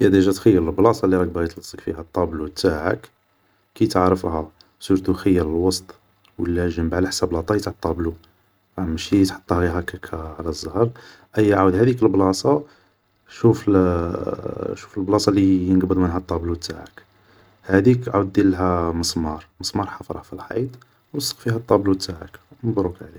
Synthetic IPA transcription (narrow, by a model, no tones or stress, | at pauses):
jæd̪æʒæt̪xəjːəɾəlblɑsˤɑlːiɾˤɑk̚bɣjət̪lɑsˤːəkfihæt̪ˤːɑblut̪aʕə̰kː | ijt̪əʕɾəfhæ | suɾt̪uxəjːəɾəlwɑst̪ˤ | wəlːæʒəmbaʕlħsæblɑt̪ˤɑjt̪t̪ˤːɑblu | ɑmʃit̪ħɑ̥t̪ˤːɑhɣiɦækækʰæʕlæzˤːɑhəɾˤ | ʔəjːʕad̪hæd̪ikəlblɑsˤɑ | ʃuf | ʃu̥fəlblɑsˤɑlijənɡbəd̪ˤmənɦæt̪ˤːɑblut̪t̪ːaʕə̰k | hæd̪ikʕud̪ːilɦæməsˤmɑɾˤməsˤmɑɾˤħɑfɾˤɑfilħɑ̰d̪ | wəsˤːə̥qfiɦæt̪ˤːɑblut̪ːaʕə̰knbɾˤukʕli